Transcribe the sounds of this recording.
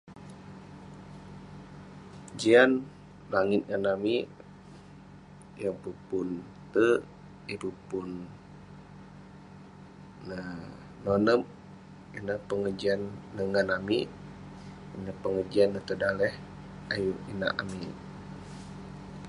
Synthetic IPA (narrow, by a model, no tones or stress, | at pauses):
d͡ʒian | laŋɪt̪̚ŋanami | jaŋpəpun | t̪ə | ipəpun | əː | onəm | inəhpəŋəd͡ʒianːəŋanami | inəpəŋərd͡ʒianːət̪ədalɛh | ajuina̰ʔa̰mi